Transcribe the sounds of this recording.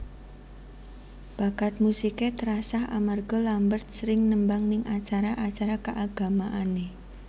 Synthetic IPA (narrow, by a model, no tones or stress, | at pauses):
b̥akat̪̚musiket̪əɾasaha̰marɡ̥ɔlambərt̪̚səɾɪŋnəmbaŋnɪŋʔat͡ʃaɾaʔat͡ʃaɾakaʔaɡ̥a̤maʔane